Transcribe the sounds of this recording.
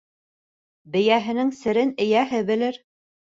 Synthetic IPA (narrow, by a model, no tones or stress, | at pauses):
bɘ̆jæɦɘ̆nɘŋsɘ̆ɾɘnɘ̆jæɦɘbɘ̆lɘɾ